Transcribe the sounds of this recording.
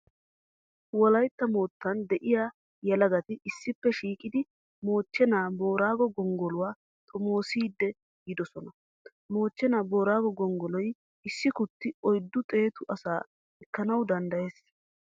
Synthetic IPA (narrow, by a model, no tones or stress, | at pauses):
wɔlɐjt̪ːɐmo̞ːt̪ːɐnd̪ɛʔɪjaː | jɐlɐɡɐt̪ɪɪsːɪpːɛʃiːkʼɪd̪ɪ | mo̞ːt͡ʃːɛnaːbo̞ːɾaːɡɔɡɔŋɡɔlʊwaː | t̪ʼɔmo̞ːsiːd̪ːɛ | ɡɪd̪ɔsɔnɐ | mo̞ːt͡ʃːɛnaːbo̞ːɾaːɡɔɡɔŋɡɔlɔj | ɪsːɪkʊt̪ːɪɔjd̪ːʊt̪ʼe̞ːt̪ʊʔɐsaː | ɛkːɐnɐwd̪ɐnd̪ɐje̞ːs